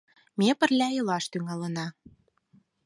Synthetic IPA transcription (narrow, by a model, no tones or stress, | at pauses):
mepə̆rlʲæjɤlɑʃt̪yŋɑlənɑ